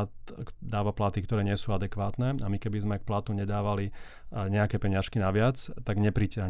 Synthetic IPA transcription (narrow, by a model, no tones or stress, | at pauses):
t̪d̪aːʋaplat̪ikt̪ɔɾɛːɲɪɛsuːad̪ɛkʋaːt̪nɛamikɛbizmɛk̚plat̪uɲɛd̪aːʋali | ɲɛakɛpɛɲɪaʃkinaʋɪat͡st̪aɡɲɛpɾicɪaɦ